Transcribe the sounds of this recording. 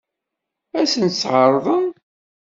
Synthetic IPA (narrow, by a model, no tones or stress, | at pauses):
æsənt̪sːʕəɾˤðˤən